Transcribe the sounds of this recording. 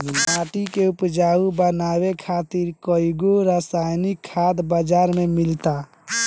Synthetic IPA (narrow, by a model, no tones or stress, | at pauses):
aʈikeupd͡ʒaubənabekʰat̪iɾkəiɡoɾasajnikʰːad̪bəd͡ʒaɾmemilt̪a